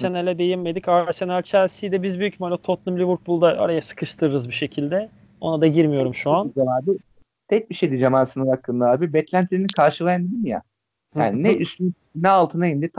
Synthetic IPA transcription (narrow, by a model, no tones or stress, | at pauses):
se̞nalʲɛd̪e̞jimmːe̞d̪icase̞nælʲt͡ʃʰæɾsijd̪ɛbizbyjycmalʲat̪ʰot̪lˠɯmlʲivuɾk̚bulˠd̪aʔa̰ɾajasɯ̥kʰɯʃt̪ʰɯɾɯɾɯzbiʃe̞cʰilʲd̪ɛ | o̞nad̪aɟiɾmijo̞ɾumʃuand͡ʒamaːd̪i | t̪ʰɛc̚biʃejd̪id͡ʒamaːsɯnɯɾakːɯnd̪aaːbibɛt̪lʲænt̪ʰlʲeinikʰaɾʃɯlˠajand̪id̪imja̰ | a̰ːninɛysly | nɛalˠt̪ʰɯnajind̪it̪ʰ